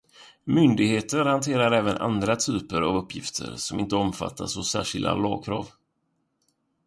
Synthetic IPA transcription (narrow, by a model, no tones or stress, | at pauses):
mʏnd̪ɪɡheːt̪əɾhant̪ʰeːɾaɾɛːvənʔa̰nd̪ɾat̪ʰyːpəɾavɵpːjɪft̪ʰə̰ɾsɔmɪnt̪əɔmfa̰t̪ʰːasɔsæ̰ːʂɪld̪a̰lɑːɡ̚kʰɾɑːv